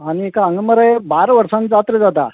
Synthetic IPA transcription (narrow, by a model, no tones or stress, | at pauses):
aɽ̃iekaəŋɡəməɾəjbaɾʋəɾsãnt͡sat̪ɾəd͡zat̪a̰